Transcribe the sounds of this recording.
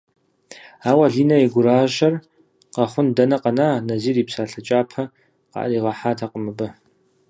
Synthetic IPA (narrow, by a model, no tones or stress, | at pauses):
aːwɐɮiːnɐeɡʷʊɾaːʒɐr | qɐχʷʊndɐnɐqɐnaːnɐziːriːpsaːɬɐt͡ʃʼaːpʰɐ | qɑ̰ʔriːʁɐħaːtʰaːqʼəmɨbɐ